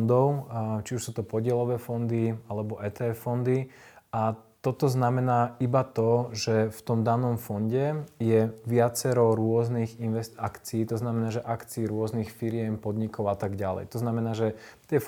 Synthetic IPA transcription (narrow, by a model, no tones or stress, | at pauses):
nd̪ɔʊt͡ʃiuʃsuːt̪ɔpɔɟɪɛlɔʋɛːfɔnd̪ialɛbɔʔɛːt̪ɛːɛfːɔnd̪iat̪ɔt̪ɔznamɛnaːibat̪ɔʒɛft̪ɔmd̪anɔmfɔnɟɛjɛʋɪat͡sɛɾɔʊɾʊɔzniɣinʋɛsakt͡siːt̪ɔznamɛnaːʒɛʔakt͡siːɾʊɔznixfiɾɪɛmpɔd̪ɲikɔʊat̪aɡɟalɛ̰jt̪ɔznamɛnaːʒɛt̪ɪɛ